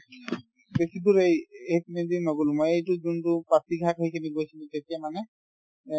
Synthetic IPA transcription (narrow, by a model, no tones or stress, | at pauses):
besiduɹejeikʰinidinːɔɡulmɔjejtud͡ʒuntupatiɡʱakɔɦikʰiniɡojsʰilũtetijamanɛ